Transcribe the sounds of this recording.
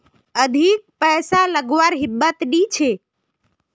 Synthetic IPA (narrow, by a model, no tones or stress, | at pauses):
əd̪ʱik̚pəjsaləɡʋaɾɦibːət̪ɖit͡ʃʰe